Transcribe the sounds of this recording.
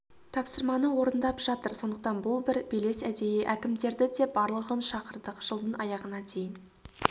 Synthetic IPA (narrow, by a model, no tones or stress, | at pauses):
t̪ʰɑpsəɾmɑnəwo̞ɾənd̪ɑpʒ̥ɑt̪əɾso̞nd̪əq̚t̪ɑnbʊlˠbɪɾbejle̞sæd̪ejeʔækʲɪmd̪e̞ɾd̪ɪd̪e̞bɑɾlˠəʁənʃɑqəɾd̪əqʒ̥əlˠd̪ənɑjɑʁənɑd̪e̞jɪn